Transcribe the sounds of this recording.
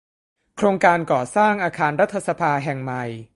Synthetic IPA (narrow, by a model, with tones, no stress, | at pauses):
kʰɾoː˧ŋkaː˧nkɔː˨˩saː˥˩ŋʔaː˧kʰaː˧nɾa˦˥t̪ʰːa˧sa˧pʰaː˧ɦɛ˨˩ŋma˨˩j